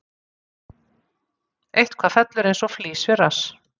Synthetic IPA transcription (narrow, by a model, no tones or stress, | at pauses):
ejht̪kʰvaːfɛt̪lʏɾejnsɔfliːsvɪɾas